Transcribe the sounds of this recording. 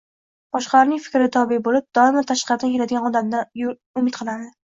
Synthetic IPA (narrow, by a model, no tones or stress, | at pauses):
b̥ɒʃqɑlaɾnɪŋfɪ̥kʲɾɪt̪ʰɒbɪbolɪp̚d̪̥ɒɪmat̪ʰaʃqɑɾd̪ankʰʲelad̪ɪɡʲanɒd̪amd̪aj | ʊmɪt̪qʰɨlˠad̪ɪ